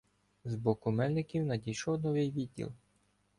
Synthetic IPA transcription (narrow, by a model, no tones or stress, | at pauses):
zbɔkʊmɛlʲnɪkʲiwnɐdʲijʃɔwnɔʋɪjʋʲid̪̚ʲːḭlˠ